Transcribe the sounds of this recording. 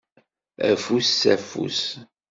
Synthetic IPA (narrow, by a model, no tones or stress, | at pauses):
æ̰fusːæfṵs